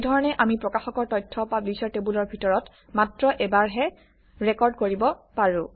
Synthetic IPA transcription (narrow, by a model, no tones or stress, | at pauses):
dʱɔɹɔnɛʔamipɹɔkaxɔkɔɹtɔjtʰːɔpablisɔɹtebulɔɹbʱitɔɹɔt | matɹɔʔɛbaɹɦɛ | ɹɛkɔɹdkoɹibɔpaɹũ